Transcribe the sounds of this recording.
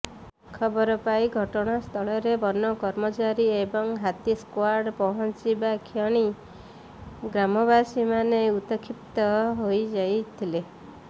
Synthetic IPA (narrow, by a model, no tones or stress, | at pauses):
kʰɔbɔɾɔpaiɡʱɔʈɔɽ̃ast̪ʰɔɭɔɾebɔnːɔkɔɾmɔt͡ʃaɾiebɔŋɦat̪iskwaɾɖpɔɦɔnt͡ʃibakʰjɔɽ̃i | ɡɾamɔbasimaneut̪ɔkʰipt̪ɔɦojd͡ʒajt̪ʰile